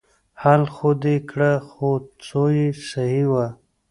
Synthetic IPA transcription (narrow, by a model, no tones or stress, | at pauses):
halxod̪ekʰɽaxot͡sojesahiwa